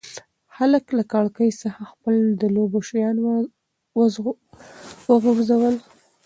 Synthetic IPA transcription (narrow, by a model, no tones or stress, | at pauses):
xaləklakɑɽkəjsəxaxpəld̪əloboʃajɑn | w | wəɡuɾzawəl